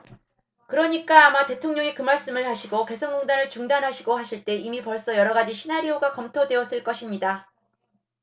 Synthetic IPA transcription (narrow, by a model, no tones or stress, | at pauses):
kɯɾʌɲik͈aːmate̞tʰoŋɲʌŋikɯmaɭs͈ɯmɯɭhaɕʰiɡoke̞sʰʌŋːoŋdanɯɭt͡ɕuŋdanɦaɕʰiɡoɦaɕʰiɭt͈e̞imipʌɭs͈ʌjʌɾʌɡad͡ʑiɕʰinaɾioɡakʌmtʰodwe̞ʌs͈ɯɭk͈ʌɕʰimɲida